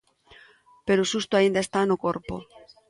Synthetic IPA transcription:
pe̞ɾosust̪oaind̪aest̪anokoɾpo̰

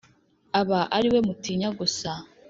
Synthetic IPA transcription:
aβaʔaɾiwe̞mutiːɲaɡusa

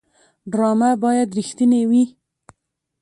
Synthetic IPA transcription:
ɖɾɑmabɑjad̪ɾixt̪inewi

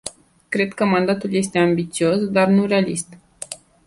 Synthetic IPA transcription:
kɾe̞d̪kəmand̪at̪ulje̞s̬t̪e̞ambit̪sio̞sd̪arnure̞alist̪

